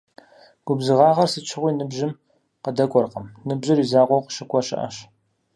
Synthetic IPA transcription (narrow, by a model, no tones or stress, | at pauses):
ɡ̥ʷʊbzɨʁɑːʁɐrsɨt͡ʃʰɨʁʷiːnɨbʒɪm | qədɐkʷʼɔrqəmnɨbʒɪrizaːʁʷɔwqə̥ʃɨkʷʰʼɔɕɪ̰ʔɐ̰ɕ